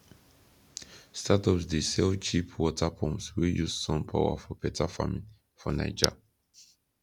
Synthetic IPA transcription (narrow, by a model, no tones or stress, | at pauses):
stʰatɔpsdəsɛlt͡ʃipʰwɔtʰapʰɔ̃mswijussɔ̃mpʰa̰ʊwa̰fɔpɛtafa̰mĩn | fɔna̰ɪd͡ʒa̰